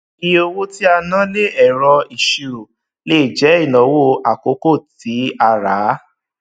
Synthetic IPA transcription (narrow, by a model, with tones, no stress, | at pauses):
i˧o˧wo˦ti˦a˧nã˦le˦ɛ˨ɾɔ˧i˨ʃi˧ɾo˨ | le˦i˨d͡ʒɛ˨˦i˦˨nɔ̃˨˦wo˦a˨ko˨˦ko˦˨ti˨˦a˧ɾa˨˦